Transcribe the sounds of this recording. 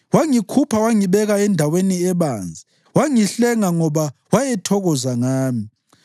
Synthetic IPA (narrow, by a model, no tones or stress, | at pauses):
waŋikʰupʰawaŋiβɛɣaɛndʱaweniɛβaːnd͡zʱi | waŋiɬɛŋaŋɔβawaɛtʰɔɣɔzaŋaːmi